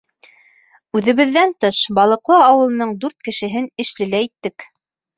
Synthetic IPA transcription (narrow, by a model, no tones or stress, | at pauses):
ʉðɘ̆βɘ̆ðːænt̪ɤʃbɑlˠɤ̆qlˠɤɑwɤ̆lˠɤ̆nɤɴd̪ʉɾt̪kɘ̆ʃɘ̆ɦɘnɘ̆ʃlɘ̆læit̪ːɘk